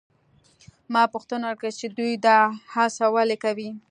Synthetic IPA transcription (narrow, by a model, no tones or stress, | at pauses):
mɑpʊxt̪ənawəɾkət͡ʃed̪ujd̪ɑhasawalekawi